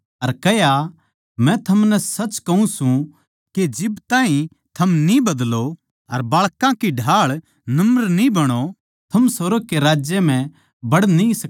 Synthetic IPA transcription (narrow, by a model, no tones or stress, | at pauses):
ɐɾkɛja | mɛ̃t̪ʰɐmnɛsɐt͡ʃkɐũsũ | ked͡ʒɪbt̪ãːɦĩ | t̪ʰɐmnibɐd̪lo | ɐɾbaːɭkãkiɖʱaːɭ | nɐmɾnĩbɐɽ̃o | t̪ʰɐmsɐɾəɡ̚keɾaːd͡ʒjem̤ɛ̃ | bɐɽnĩsɐ